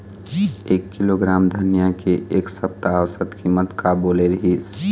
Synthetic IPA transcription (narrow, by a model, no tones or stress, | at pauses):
eːkːiloɡɾaːmd̪ʱənijakeʔeːksəp̚t̪aːwsət̪kimət̪kaboːleɾəɦiːs